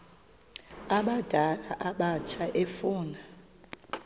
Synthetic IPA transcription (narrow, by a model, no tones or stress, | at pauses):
aɓad̥ʱalaʔaɓat͡ʃʰaʔefuːna